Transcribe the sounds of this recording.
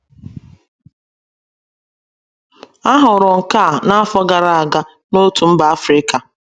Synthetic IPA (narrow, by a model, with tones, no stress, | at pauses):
a˦ɦʊ˨ɾʊ˨ŋ̩˨ka˦˨na˦a˦fɔ˦ɡa˨ɾa˦˨a˨ɡa˦ | no˦tu˨m̩˦ba˨a˦fɾɪ˦ka˨